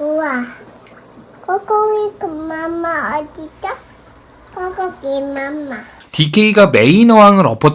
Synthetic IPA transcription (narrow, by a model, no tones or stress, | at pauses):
ua | kokoŋikɯmːamːaʌdita | kɔɡɔɡemama | t̪ikʰeiɡameinʌwaŋɯɾʌpʰʌt